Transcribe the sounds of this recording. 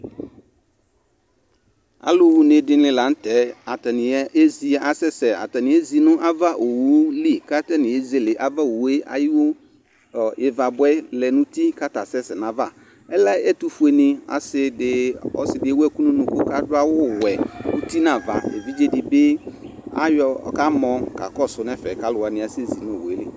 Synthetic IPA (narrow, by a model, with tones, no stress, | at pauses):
a̰˨lʊ˦wu˦ne˨dɪ˦lɪ̃˦la˨˦n̩˦tɛ˨˦a˨tɛ˨nɪ̃˨˦e˦zi˨˦ʔa˨sɛ˦sɛ˨a̰˨tɛ˨nɪ̃˨˦ɛ˦zi˨nʊ̃˦ʔa˦va˦ʔo˨wu˦li˦ka˦tɛ˦nɪ̃˨e˨˦zi˦e˦˨lɪ˨ʔa˨va˦o˨wu˦e˦ʔa̰˨jɪ˦wo˦˨ | ɪ˨va˨bʊ˦ɛ˦lɛ˨nʊ̃˦ti˦ka˦ta˨sɛ˦sɛ˨nã˨va˦˨ | ɛ˦la˦ɛ˦tu˦fu˦e˨nɪ̃˨a̰˨sɪ˦dɪ˨˦ɔ̰˦sɪ˨dɪ˦ɛ˦wɛ˦˨ku˦nũ˦nʊ̃˨kʊ˦ka˦dʊ˦a˦wʊ˦wɛ˨u˦ti˦nã˨va̰˨ḛ˨vi˦d͡ʒe˦dɪ˨bɪ˦a̰˦jɔ˨ka˦mɔ̃˨ka̰˨kɔ˦˨sʊ˦nɛ˦fɛ˨ka˦lʊ˨wa˨nɪ̃˨a˨sɪ˦e˦zi˨nʊ̃˦o˨wu˨e˦lɪ˦